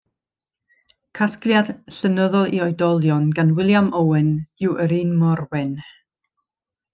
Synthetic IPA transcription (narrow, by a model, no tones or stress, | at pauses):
kʰaskljad̥ɬənəðɔlˠiɔjdɔlˠjɔnɡanwɪlˠjamowɛnuwʔəɾiːnmɔrwɛn